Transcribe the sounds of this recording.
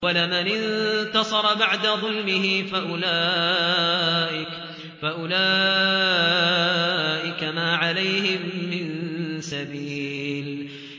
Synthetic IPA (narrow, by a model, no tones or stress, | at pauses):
walamanɪnt̪ɑsˤɑɾˤɑbaʕd̪aðˤʊlmɪhɪfaʔʊlaː | ʔɪ | faʔʊlaː | ʔɪkamaːʕalajhɪmːɪnsabiːl